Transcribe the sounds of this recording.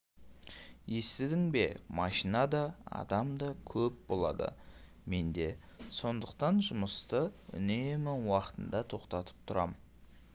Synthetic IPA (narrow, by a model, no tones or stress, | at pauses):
je̞st̪ɪd̪ɪŋbe̞mɑʃinɑd̪ɑɑ̰d̪ɑmd̪ɑkʲʰɵp̚bo̞lˠɑ̰d̪ə̰ | me̞nd̪e̞ | so̞nd̪əqt̪ɑnʒʊməst̪əʏ̰nemɪŋwɑqə̥t̪ənd̪ɑt̪ʰo̞qt̪ɑt̪ə̥p̚t̪ʰʊɾɑ̰mə